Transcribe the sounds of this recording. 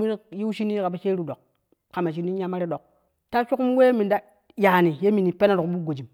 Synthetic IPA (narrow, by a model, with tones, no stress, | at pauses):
mi˦n˦ji˦wʃi˦ni˦ka˨ba˨ʃe˦ɾu˨do˨k̚ | ka˨ma˨ʃ̬i˦ni˦ɲa˦ma˦ɾi˦ɗo˨k̚ | ta˦ʃu˦ku˦m˦we˦mi˨nda˦ | ja˨ni˨je˦mi˨ni˨pe˦na˦ɾo˨kbu˦ɡo˨d͡ʒi˨m